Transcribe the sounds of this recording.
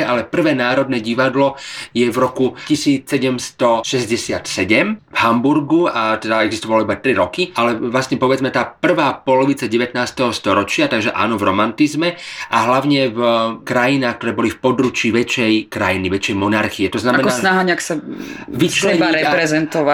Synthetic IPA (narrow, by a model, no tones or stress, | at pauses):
ʔalɛpr̩ʋɛːnaːɾɔd̪nɛːɟiʋad̪lɔjɛvɾɔkucisiːt͡ssɛɟɛmst̪ɔʃɛzɟɛsɪat̪sɛɟɛmvɦambuɾɡuat̪ɛd̪aɛɡzist̪ɔʋalɔibat̪ɾiɾɔkiʔalɛʋlasɲɛpɔʋɛd͡zmɛt̪aːpr̩ʋaːpɔlɔʋit͡saɟɛʋɛt̪naːst̪ɛɦɔst̪ɔɾɔt͡ʃɪat̪aɡʒɛʔa̰ːnɔvɾɔmant̪izmɛʔaɦlaʊɲɛvkɾajinaːxkt̪ɔɾɛːbɔlifpɔd̪ɾut͡ʃiːʋɛt͡ʃɛjkɾajiniʋɛt͡ʃːɛjmɔnaɾxiɛt̪ɔznamaɛnkɔasnaɦaɲɪaksaʋit͡ʃɛaɾɛpɾɛzɛnt̪ɔʋa